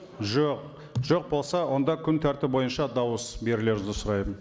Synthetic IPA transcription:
ʒoq̚ | ʒ̥o̞q̚bo̞lˠsɑwo̞nd̪ɑkʲʰʏnt̪ʰæɾt̪ɪp̚bo̞jənʃɑd̪ɑwəsbe̞ɾɪle̞ɾzɪsʊɾɑjən

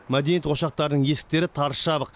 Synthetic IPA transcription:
mæd̪e̞nijet̪wo̞ʃɑq̚t̪ɑɾd̪əɴje̞sɪ̥k̚t̪e̞ɾɪt̪ʰɑɾʃɑbəq

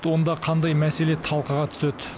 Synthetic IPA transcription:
t̪wo̞nd̪ɑqʰɑnd̪ɑjmæse̞le̞t̪ʰɑlˠqəʁɑt̪ʰʏ̥set̪

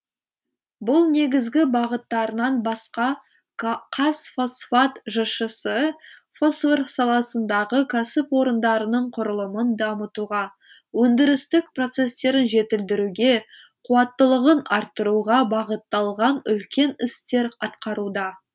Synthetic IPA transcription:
bʊlˠne̞ɡʲɪzɡʲɪbɑʁət̪ːɑɾənɑnbɑsqɑ | qʰɑsfosfat̪ʒəʃəsəfosferqsɑlˠɑsənd̪ɑʁəkʲʰasɪpwo̞ɾənd̪ɑɾənəɴqʰʊɾəlˠəmənd̪ɑmət̪uʁɑ | wɵnd̪ɪɾɪst̪ɪk̚pro̞t̪se̞st̪e̞ɾɪnʒe̞t̪ɪld̪ɪɾuɡʲe̞ | qʰuɑt̪ːəlˠəʁənɑɾt̪ːəɾuʁɑbɑʁət̪ːɑlˠʁɑnʏ̰lkʲe̞nɪst̪e̞ɾɑt̪qɑɾud̪ɑ

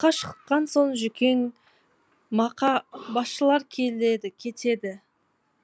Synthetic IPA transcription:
qːɑʃə̥qːɑnso̞nʒʏkʲʰe̞ŋ | mɑqɑbɑsʃəlˠɑɾkʲʰe̞lle̞d̪ɪkʲʰe̞t̪ʰe̞d̪ɪ

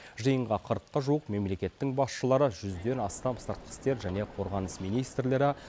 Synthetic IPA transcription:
ʒəjəɴʁɑqʰəɾəqːɑʒuəqme̞mle̞kʲe̞t̪ːɪŋbɑsʃəlˠɑɾəʒʏzd̪e̞nɑst̪ɑmsɑɾt̪̚qə̥st̪e̞ɾʒæne̞qʰo̞ɾʁɑnəsmijnijst̪rle̞ɾɪ

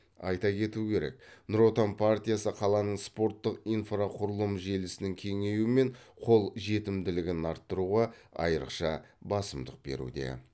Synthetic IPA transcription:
ɑ̰jt̪ɑkʲʰe̞t̪ukʲʰe̞ɾe̞̰k̚nɾo̞t̪ampʰart̪ʲijasəqʰɑlˠɑnəɴspo̞rt̪ːəqijnfraqʰʊɾəlˠəmʒe̞lɪsɪnɪŋkʲʰe̞ŋe̞juɪme̞ɴqʰo̞lˠʒe̞t̪ɪmd̪ɪlɪɡʲɪnɑɾt̪ːəɾuʁɑɑ̰jəɾə̰qʃɑ | bɑsəmd̪əq̚be̞̰ɾṵd̪e̞̰

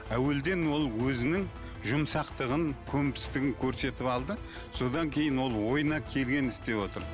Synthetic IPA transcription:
æwe̞ld̪e̞nwo̞lˠwɵzɪnɪŋ | ʒʊmsɑqt̪əʁəŋkʲʰɵmp̪ɪ̥st̪ɪɡʲɪŋkʲʰɵɾse̞t̪ɪpɑlˠd̪ə | so̞d̪ɑŋkʲʰe̞jɪnwo̞lˠwo̞jənɑkʲʰe̞lɡʲe̞nɪst̪e̞wo̞t̪əɾ

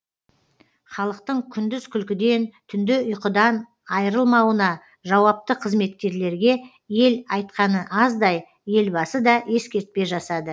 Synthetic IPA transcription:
χɑlˠəqt̪əɴkʲʰʏnd̪ɪz̥kʲʰʏlkʲɪd̪e̞nt̪ʰʏnd̪ɪʊjqəd̪ɑn | ɑjəɾəlˠmɑwənɑ | ʒɑwɑp̚t̪əqʰəzme̞t̪̚kʲe̞ɾle̞ɾɡʲe̞ | je̞lɑjt̪̚qɑnəʔɑzd̪ɑj | je̞lbɑsəd̪ɑe̞skʲe̞ɾt̪̚pe̞ʒɑsɑd̪ə

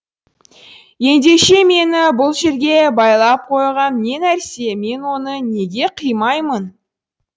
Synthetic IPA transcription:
je̞nd̪e̞ʃe̞me̞nɪbʊlˠʒe̞ɾɡʲe̞bɑjlˠɑp̚qʰo̞jʁɑnːe̞næɾse̞me̞nwo̞nəne̞ɡʲe̞qʰəjmɑjmən

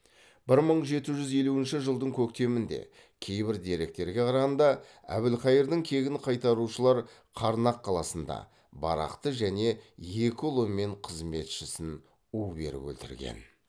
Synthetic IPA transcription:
b̥ɪɾməɴʒe̞t̪ɪʒʏze̞luɪnʃɪʒəlˠd̪əɴkʲʰɵk̚t̪e̞mɪnd̪e̞̰ | kʲʰe̞jbɪɾd̪e̞ɾe̞k̚t̪e̞ɾɡʲe̞qʰɑɾɑʁɑnd̪ɑ | æ̰bɪlqɑjəɾd̪əŋkʲʰe̞ɡʲɪnqʰɑjt̪ɑɾuʃəlˠɑɾ | qʰɑɾnɑqʰːɑlˠɑsənd̪ɑ̰ | bɑ̰ɾɑ̰qt̪əʒæne̞je̞kʲolˠomːe̞ɴqʰəzme̞t̪ʃɪsɪn | ube̞̰ɾɪ̰pɵ̰lt̪ɪɾɡʲe̞̰n

